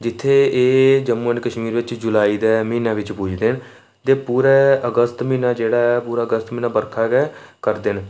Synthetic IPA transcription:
d͡ʒɪt̪ʰːeːeːd͡ʒəmuənkəʃmiːɾʋɪt͡ʃd͡ʒʊlaːiːd̪ɛːmĩːnãːʋɪt͡ʃpʊd͡ʒʰd̪eːn | t̪eːpuːɾɛːəɡəst̪mĩːnaːd͡ʒeːɽaːɛːpuːɾaːəɡəst̪miːnaːbəɾkʰaːkɛːkəɾd̪ɪn

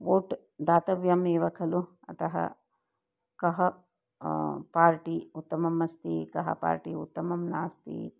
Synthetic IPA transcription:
ʋoːʈ | d̪aːt̪ɐʋjɐmeːʋɐkʰɐlu | ɐ̰t̪ɐɦɐ̰ | kɐɦɐ | paːɾʈiut̪ːɐmɐmɐst̪ḭːkɐɦɐ̰pa̰ːɾʈiṵt̪ːɐmɐmnaːst̪ḭː

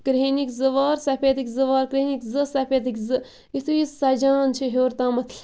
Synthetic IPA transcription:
kɾenikʲzɨʋaːɾsɐpʲet̪ikʲzɨʋaːɾkɾeːnikʲzɨsɐpʲet̪ikʲzɨ | it̪ʰujisɐd͡ʒaːnt͡ʃʰiɦoːɾt̪aːmɐt̪ʰl

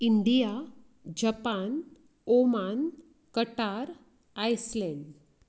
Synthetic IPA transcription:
iɳɖija | d͡ʑəpan | oman | kəʈaɾ | ajslen

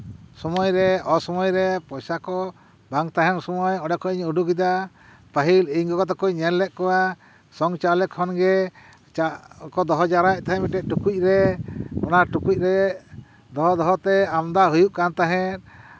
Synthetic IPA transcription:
sɔmɔjɾɛɔsɔmɔjɾɛpɔjsakɔ | baŋt̪aɦɛnsɔmɔjɔɖɛkɔiɲuɖuɡid̪a | paɦiliɲkɔkɔt̪ɔkɔjɲɛnlɛʔ̪̚kɔwa | sɔŋt͡ʃalɛkʰɔnɡɛ | t͡ʃakɔd̪ɔɦɔd͡ʒaɾaʔ̚t̪aɦɛ̃miʈɛʔ̪̚ʈukuc̚ˀɾɛɔnaʈukuc̚ˀɾɛ | d̪ɔɦɔd̪ɔɦɔt̪ɛamd̪aɦujuʔkant̪aɦɛ̃t̪̚

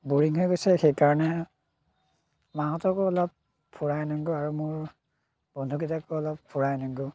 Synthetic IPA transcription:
buɹiŋɦojɡojsɛxejkaɹɔnɛ | maɦɔtɔkɔɔlɔp̚ | pʰːuɹajnɔŋɡɔaɹumʊɹ | b̥ɔndʱukitakɔɔlɔppʰːuɹajnɔŋɡɔ

